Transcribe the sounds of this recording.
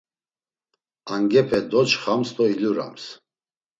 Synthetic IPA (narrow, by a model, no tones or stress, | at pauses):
aŋɡɛpʰɛd̪ɔt͡ʃχamst̪ʼɔiluɾa̰ms